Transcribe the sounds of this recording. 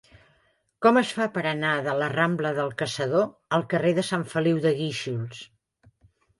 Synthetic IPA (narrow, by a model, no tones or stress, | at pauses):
kɔməsfapəɾənaðələrambləðəlˠkəsəðoəlˠkəreðəsaɱfəliwðəɣiʃulˠs